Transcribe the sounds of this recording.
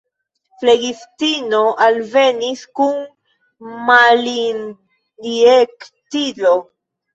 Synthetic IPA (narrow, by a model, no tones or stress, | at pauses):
fleɡiftino̞ʔalve̞niskun | malin | diektilo